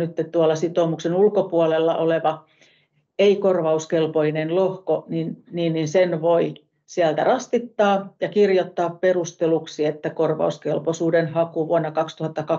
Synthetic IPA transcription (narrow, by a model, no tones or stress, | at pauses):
nyt̪ːett̪uɑlːˑɑsit̪oːmuksenulkopuolelːɑ̰ʔoleʋɑ | eikorʋɑuskelpoinenlohkoninniːnninsenʋoi | siælt̪æ̰rɑst̪it̪ːɑːjɑkirjot̪ːɑːpperust̪eluksiet̪ːækorʋɑ̰uskelposuːdenhɑkuʋuonːɑkɑkst̪uhɑt̪ːɑkɑ